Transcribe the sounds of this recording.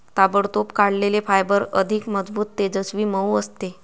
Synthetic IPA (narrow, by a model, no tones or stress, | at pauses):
t̪abəɽt̪opkaɽlelefajbəɾə̰d̪ʱikməd͡zbuːt̪ːed͡zəsʋiːməuəst̪e